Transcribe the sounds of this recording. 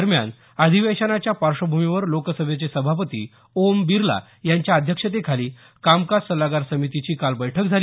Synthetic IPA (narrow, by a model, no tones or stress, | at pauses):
əɾmja̰n | əd̪ʱiʋeɕənat͡ɕjapaɾʂəbʱumiʋəɾlokəsəbʱjet͡sesəbʱapət̪ḭː | ombiɾla̰ | jaɲt͡ɕjaəd̪ʱjəkʂət̪̬ekʰaliː | kamkassəlaɡaɾsəmit̪it͡ɕiːkalbəjʈʰək̚d͡zʱali